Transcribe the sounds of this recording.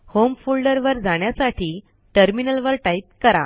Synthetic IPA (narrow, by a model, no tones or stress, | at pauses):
homfulɖəɾʋəɾd͡zaɳjasaʈʰiː | ʈəɾminəlʋəɾʈait̪̚kəɾa̰